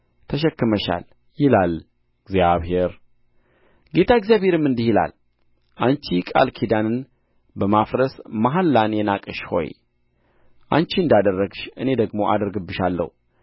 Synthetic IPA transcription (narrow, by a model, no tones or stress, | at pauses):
t̪ʰəʃ̬ɛkːɨməʃa̰l | jɪlal | ɨɡzjaβhe̞ɾ | ɡe̞t̪ʰaɨɡzijaβhe̞ɾɨmːɨnd̪ihila̰l | ʔant͡ʃikʼa̰lkʰid̪anɨn | bəmafɾəsmaɦalːanjɛnakʼɨʃho̞̰j | ʔant͡ʃiɨnd̪ad̪ərːəɡʃɨne̞d̪əɡmo̞ʔa̰d̪əɾɡɨbːɨʃalːə̰hu